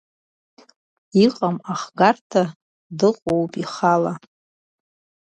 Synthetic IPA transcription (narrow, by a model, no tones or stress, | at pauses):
iqʼamaχɡartʰa | dɨqʷʼowpʼiχala